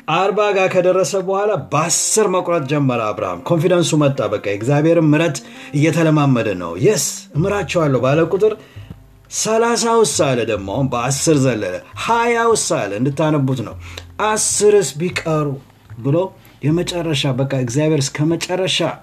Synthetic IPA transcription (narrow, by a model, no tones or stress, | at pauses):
ʔaɾbaɡakʰəd̪ərːəsəbəhʷalabəasːɨɾməkʼɾət̪̚ʼd͡ʒɛmːəɾəaβɾa̰ha̰mkʰo̞nfid̪ənsumət̪ʼːabəkʼːaɨɡzjaβe̞ɾɨmːɨɾət̪ɨjːɛt̪ʰələmamːəd̪ənə̰wjɛsɨmɨɾat͡ʃːɛwalːəwbaləkʼut̪ʼɨɾ | səlas̬awɨsalːəd̪əɡmoaunbəasːɨɾzəlːə̰lə̰hajawʊsalɨnd̪ɨt̪ːanəbut̪nə̰wʔasːɨɾɨsbikʼəɾu | bɨlo | jɛmət͡ʃʼɛrːəʃabəkʼːaɨɡzjaβheɾɨskʰəmət͡ʃʼɛrːəʃa